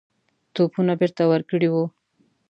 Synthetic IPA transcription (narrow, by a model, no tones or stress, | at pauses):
t̪opunabeɾt̪awəɾkəɽiwu